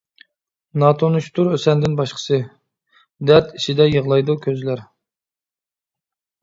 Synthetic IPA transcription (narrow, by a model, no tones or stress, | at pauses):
nɑt̪ʰonuʃt̪ʰuɾøsɛnd̪ɪnbɑʃqʰə̥sɨ | d̪æɾt̪iʃʰid̪ɛjəʁlˠɑjd̪ukʲʰøzlæɾ